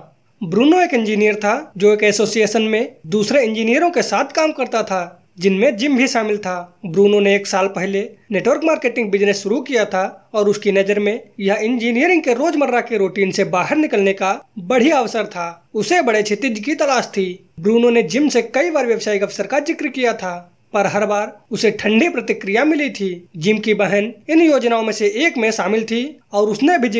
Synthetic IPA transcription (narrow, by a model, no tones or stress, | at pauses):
bɾuːnoeːkɪ̃nd͡ʒiːnijəɾt̪ʰad͡ʒoːeːkɛsoːsijeːsənmẽd̪uːsɾeɪ̃nd͡ʒiːnijəɾõkesaːt̪ʰkaːmkɐɾt̪at̪ʰa | d͡ʒɪnmẽd͡ʒɪmbʱiʃaːmɪlt̪ʰabɾuːnoneːksaːlpɛɦleneːʈwəɾkmaːɾkeːʈɪ̃ŋɡ̚bɪd͡ʒnəsʃʊɾukijat̪ʰaɔːɾʊskinɐd͡ʒəɾmẽjɐɦɪ̃nd͡ʒiːnijəɾɪ̃ŋɡkeɾoːd͡ʒməɾːakeɾoːʈiːnsebaːɦəɾnɪkəlnekabəɽ̤iəʋsəɾt̪ʰaːʊsebəɽet͡ʃʰet̪ɪd͡ʒkit̪ɐlaːʃt̪ʰi | bɾuːnõned͡ʒɪmsekɐibaːɾʋjəʋsaːikɐʋsəɾkad͡ʒɪkɾikijat̪ʰa | pəɾɦɐɾbaːɾʊseʈʰə̃ɳɖipɾət̪ɪkɾijamɪlit̪ʰiːd͡ʒɪmkibəɦənɪnjoːd͡ʒnaːõmẽseeːkmẽʃaːmɪlt̪ʰiɔːɾʊsnebʱid͡ʒ